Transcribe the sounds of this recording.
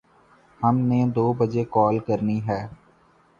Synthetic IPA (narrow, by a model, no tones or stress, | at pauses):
həmneːd̪oːbəd͡ʒekɔːlkəɾniɦɛː